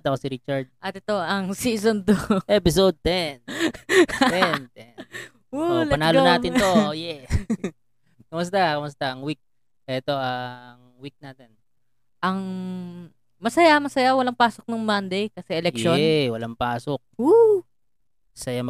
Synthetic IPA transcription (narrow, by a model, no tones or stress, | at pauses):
t̪ɐkosiɾit͡ʃaɹd̪̚ʔat̪ɪt̪o̞ʔɐŋsiːsond̪oʔɛːpɪsod̪̚ːɛn | d̪ɛnd̪ɛ | olɐnaːlonaːɪnt̪oojɛ | kɐmʊs̬t̪akɐmʊst̪aʔɐŋwik̚ | ʔɛt̪o̞ʔɐŋ | wik̚naːt̪ɛn | ʔɐŋ | mɐsɐjamɐsɐjawɐlaŋpaːsok̚nʊŋmand̪ejkɐsɛʔɛlɛʃnwɐlaŋpaːsok̚o | ɐsɐjamɐ